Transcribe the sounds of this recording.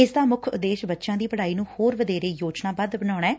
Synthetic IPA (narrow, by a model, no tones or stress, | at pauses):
ɪsd̪aːmʊkʰʊd̪eːʃbətːʃãːd̪iːpəɽaːiːnũːhoːɾʋəd̪eːɾeːjoːd͡ʒnaːbəd̪bəɳ̃aːɽ̃aːɛː